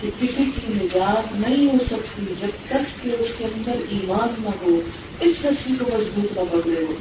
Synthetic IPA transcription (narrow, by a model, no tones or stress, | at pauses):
kekɪsikinɪd͡ʒaːt̪nɐɦĩɦosɐkt̪id͡ʒɐb̚t̪ɐkːeʊskeɐ̃nd̪əɾiːmaːnːɐɦoː | ɪsɦɐsmikomɐzbuːt̪nɐbɐɡleːɡoː